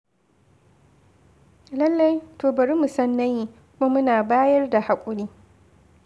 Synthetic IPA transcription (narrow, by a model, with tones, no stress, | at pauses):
lɐ˦lːa˦jtoː˨bɐ˨ɾi˦mu˨sɐ˦nːɐ˦ji˦kʷʊ˦ma˦mʊ˦naː˨baː˦jɐ˦rda˨ha˨kʷʼʊ˦ɽiː˦